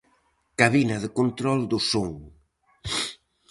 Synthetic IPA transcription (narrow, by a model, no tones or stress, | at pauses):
kaβinɐðekont̪ɾɔld̪ʊsoŋ